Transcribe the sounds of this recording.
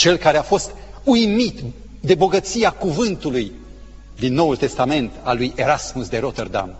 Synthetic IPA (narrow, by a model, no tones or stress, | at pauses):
t͡ʃe̞lkaɾeafo̞st̪ujmit̪ | d̪e̞bo̞ɡət̪siakuvɨnt̪uluj | d̪inːo̞wult̪e̞st̪ame̞nt̪alːuje̞ɾasmusd̪e̞ɾo̞t̪erd̪a̰m